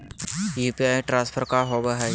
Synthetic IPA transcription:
juːpiãʈɾãːspʰəɾkaɾɦobəɦa

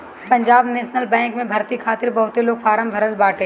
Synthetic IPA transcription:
pɐ̃ɲd͡ʒaːbneːʃnəlbɛ̃ːŋkmẽbʱɐɾt̪ikʰaːt̪ɪɾbɐɦʊt̪eloːɡfʰaːɾəmbʱɐɾəlbaːʈeː

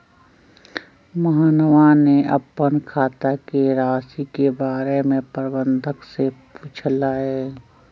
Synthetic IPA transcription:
məɦaːnəʋaneəpənkʰaːt̪akeɾaːsikebaːɾemẽpəɾbə̃nd̪ʱəkseput͡ʃʰlaɦɛː

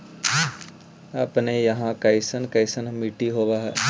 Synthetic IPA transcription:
əpnejɐɦãkɐɪsənkɐɪsənmiʈiɦoːʋaɦɛː

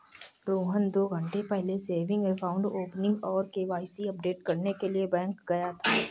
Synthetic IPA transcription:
ɖoːɦənd̪oːɡʱə̃ɳʈepɛɦleseːɾʋɪ̃ŋɡmefʰaːʊ̃ɳɖoːpnɪ̃ŋɡɔːɾkeːʋaːɪsiɐp̚ɖeːʈkɐɾnekeliebɛ̃ːŋkɡɐjat̪ʰaː

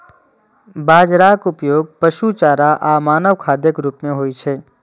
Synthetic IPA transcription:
baːd͡ʒɾaːkʊpjoːɡ̚pəʃut͡ʃaːɾaʔaːmaːnəʋkʰaːd̪jəkɾuːpmẽɦoːit͡ʃʰeː

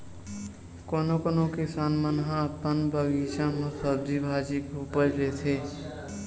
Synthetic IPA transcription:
koːnokoːnõkɪsaːnmənɦãəpːənbʱəɡit͡ʃãmə̃səbd̪ibʱaːd͡ʒikupəɾleːt̪ʰeː

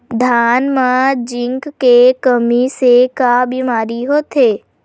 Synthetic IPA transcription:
d̪ʱaːnmad͡ʒɪ̃ŋkːekəmisekabimaːɾiɦoːt̪eː

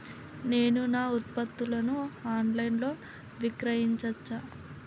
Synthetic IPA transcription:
ne̞ːnunaːut̪̚pɐt̪ːulɐnuaːnɖlɐjnlo̞ː | ʋikɾɐjiɲt͡ʃɐt͡ʃːa

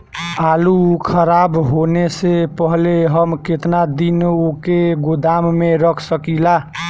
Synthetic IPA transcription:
alukʰəɾabɦonesepəɦleɦəmket̪nad̪inokeɡod̪amːeɾəkʰsəkila

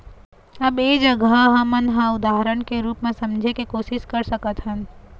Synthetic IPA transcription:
ɐbeːd͡ʒəɡaɦɐ̃mənɦãʊd̪aːɦɾəɽ̃keɾuːpmẽsɐ̃md͡ʒʱekekoːʃɪʃkɐɾsɐkət̪ɦə̃n

